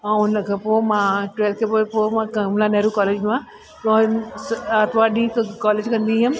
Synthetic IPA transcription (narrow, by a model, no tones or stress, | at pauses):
ãʊnəkʰeːpoːmãʈweːlt̪̚kʰeːpoepoːmãkɐmlãnɐɦɾũkaːleːd͡ʑmã | sat̪ʋaːɖikaːleːd͡ʑkɐ̃nd̪iɦʊm